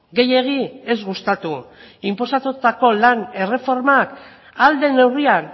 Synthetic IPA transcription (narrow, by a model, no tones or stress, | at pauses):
ɡe̞je̞ɣ̞ie̞zɣust̪at̪u | impo̞sat̪ut̪ako̞lane̞re̞fo̞ɾmak | ald̪e̞ne̞wrian